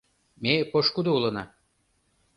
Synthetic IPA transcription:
mepoʃkud̪oulɤ̆nɑ

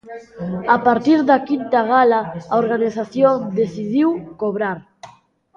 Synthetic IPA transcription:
apaɾt̪iɾðakint̪aɣalaaoɾɣaniθaθjoŋd̪eθiðiwkoβɾaɾ

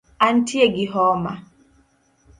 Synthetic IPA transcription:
an̩tieɡiɦɔːma̰

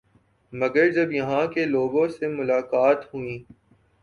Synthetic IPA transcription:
mɐɡəɾd͡ʒɐbjɐɦãkeloːɡõsemʊlaːkaːt̪ɦʊĩː

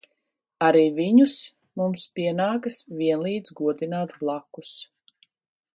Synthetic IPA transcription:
aɾiːviɲus | mumspiɛnaːkɐsviɛnlˠiːd̪zɡuɔd̪inaːt̪blˠakus

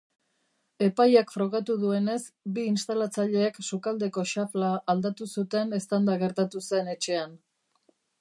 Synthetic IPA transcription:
e̞pajakfɾo̞ɣ̞at̪uðue̞ne̞sbiːnst̪alat͡saʎe̞ːksukald̪e̞ko̞ʃaflaʔːld̪at̪usut̪e̞ne̞st̪and̪aɣe̞ɾt̪at̪use̞ne̞t͡ʃe̞an

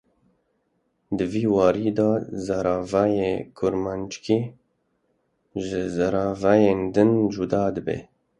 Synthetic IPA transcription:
d̪ɨviːwɑːɾiːd̪ɑːzaɾɑːvajekʰʊɾmant͡ʃkʰi | ʒɪzaɾɑːvæjeːnd̪ɨnd͡ʒud̪ɑːd̪ɨbḛː

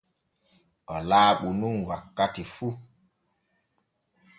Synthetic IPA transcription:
ɔlaːɓunuŋwakːatifu

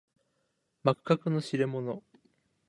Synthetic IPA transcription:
makɯ̥kːakɯ̟no̞ɕiɾe̞mo̞no

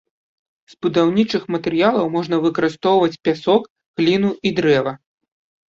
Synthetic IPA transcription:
zbud̪awnʲit͡ʂɨxmɐt̪ɛɾɨjalˠɐwmɔʐnɐvɨkɐɾɨst̪ɔwvɐt͡sʲpʲasɔk | ɣlʲinuid̪ɾɛvɐ

